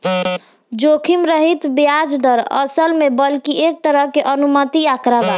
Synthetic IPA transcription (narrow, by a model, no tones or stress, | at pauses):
d͡ʒokʰimɾəɦit̪bijad͡ʒd̪əɾə̰səlmebəlkiʔek̚t̪əɾəɦkeʔənumət̪iakɾəba